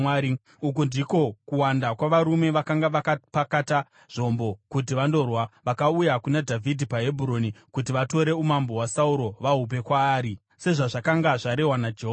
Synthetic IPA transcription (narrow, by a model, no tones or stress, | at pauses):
aɾi | ukundiko̞kuwandakwaʋaɾume̞ʋakaŋɡaʋakapakata | ʐ̥o̞mbo̞kut̬iʋando̞rwaʋakaujakunadʱavʱidʱipaɦe̞bʱuɾo̞nikut̬iʋato̞ɾe̞umambo̞ɦwasauɾo̞ʋaɦup̬e̞kwaːɾi | se̞ʐaʐakaŋɡaʐaɾe̞ɦwanad͡ʒeɦo